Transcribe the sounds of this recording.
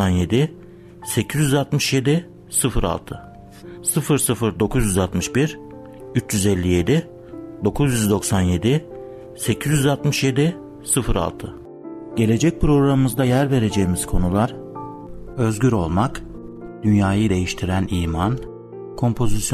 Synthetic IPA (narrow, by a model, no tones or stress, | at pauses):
anje̞d̪ɪ | se̞cʰizjʲyzalt̪mɯʃje̞d̪i | sɯfɯɾa̰lˠt̪ʰɯ | sɯfɯɾsɯfɯɾd̪o̞kʰuzjyzalt̪mɯʃbiɾ | yt͡ʃjyzɛlʲːije̞d̪ɪ | d̪o̞kʰuzjyzd̪o̞ksanje̞d̪ɪ | se̞cʰizjyzalt̪mɯʃje̞d̪ɪ | sɯfɯɾa̰lˠt̪ʰɯ | ɟe̞lʲe̞d͡ʒɛc̚pɾo̞ɡɾamɯmɯzd̪ajæɾve̞ɾe̞d͡ʒe̞jimiz̥kʰo̞nulˠaɾ̥ | ø̞zɟyɾo̞lˠmak | d̪̥ynjaːjɯd̪e̞jiʃt̪ʰiɾæniːman | kʰo̞mpʰo̞zisj